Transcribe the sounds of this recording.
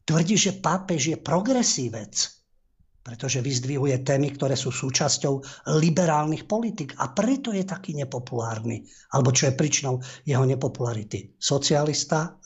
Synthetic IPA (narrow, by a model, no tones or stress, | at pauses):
t̪ʋr̩ɟiːʒɛpapɛʒjɛpɾɔɡɾɛsiːʋɛt͡s | pɾɛt̪ɔʒɛʋizd̪ʋiɦujɛt̪ɛːmikt̪ɔɾɛːsuːsuːt͡ʃascɔʊlibɛɾaːlnixpɔlit̪iːɡa̰pɾɛt̪ɔjɛt̪akiːɲɛpɔpulaːɾni | alɛbɔt͡ʃɔjɛpɾit͡ʃinɔʊjɛɦɔɲɛpɔpulaɾit̪isɔt͡sialist̪a